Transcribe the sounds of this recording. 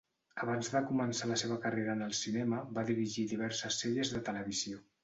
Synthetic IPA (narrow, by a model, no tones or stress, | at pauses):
əβanzðəkumənsaləseβ̞əkəreɾənəlˠsinɛməbaðiɾiʒiðiβ̞ɛɾsəsːeʎəzðət̪ələβ̞izio